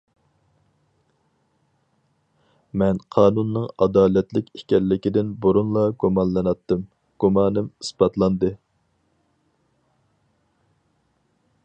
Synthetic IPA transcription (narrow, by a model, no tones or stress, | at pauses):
mɛnqʰɑːnunːɨŋɑd̪ɑːlɛt̪lɪkʲikʲɛlːɪkʲid̪ɪnboɾunlˠɑɡumɑnlˠɨnɑt̪ːɨm | ɡ̥umɑːnɨmɨsbɑt̪lˠɑnd̪ɨ